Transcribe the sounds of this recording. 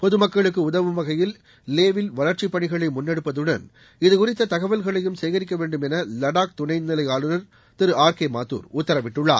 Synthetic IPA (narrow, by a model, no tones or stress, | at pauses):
pɔðɯmɐkːɐɭɯk̬ːɯʊðɐʋɯʋɐɣɐjɪl | leːʋɪlʋɐlɐɾt͡ʃɪpːɐɳɪɣɐɭɐɪmʊnːɛɽɯpːɐðɯɽɐ̰n | ɪðɯkʊrɪt̪ːɐt̪ɐɣɐʋɐlɣɐɭɐjɯmsɛjɣɐɾɪk̬ːɐʋeːɳɖɯmɛnɐlɐɽaːk̚t̪ʊnɐɪnnːɪlɐɪjaːlɯnɐɾ | t̪ɪɾɯaːɾkeːmaːt̪ːṵːɾʊt̪ːɐɾɐʋɪʈːɯɭːa̰ː